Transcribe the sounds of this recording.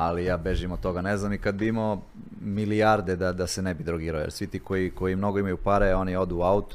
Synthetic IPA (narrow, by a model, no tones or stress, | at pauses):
alijaːbe̞ʒimot̪t̪o̞ɡaneznamikad̪̚bimo | miliaɾd̪ed̪ad̪asenebid̪ɾoɡiːɾaojḛɾsʋit̪iːko̞jiko̞jimno̞ɡoimajupaɾeo̞nio̞d̪uːaut̪